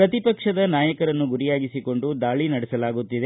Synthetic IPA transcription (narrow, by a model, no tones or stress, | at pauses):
pɾɐt̪ipɐkʂɐd̪ɐnaːjɐkɐɾɐnːuɡuɾijaːɡisiko̞ɳɖud̪aːɭinɐɽɛsɐlaːɡut̪ːid̪e